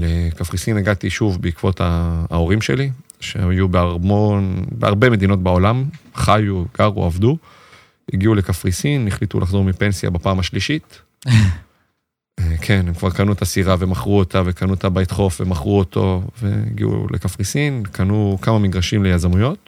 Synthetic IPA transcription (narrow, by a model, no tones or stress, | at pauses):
lekafʁisineɡat̪iʃuvbeikv̥o̞t̪ʰaːo̞ʁimʃe̞̰li | ʃeajubeaʁmonbea̰ʁbeme̞d̪ino̞tbaolamχajuɡ̥aʁṵavdu | ḭɡiule̞kafʁisinːiχlit̪ṵlʔaχzo̞ʁmipe̞nsja̰bapaːmaʃliʃit | ekʰenemkvaʁkanuet̪asiʁavemaχʁuot̪ave̞kanuot̪abait̪χo̞fvemaχʁuot̪ʰo̞ve̞̰ḭɡḭṵlʔḛkafʁisinkʰanukamamiɡʁaʃimle̞jazamujo̞t̪̚